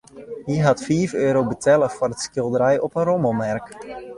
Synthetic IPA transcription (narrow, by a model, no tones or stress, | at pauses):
ɦiɦatfiːvøːɾowbətɛləfʊrətskɪlˠdəɾɛjɔpənrɔmomɛrk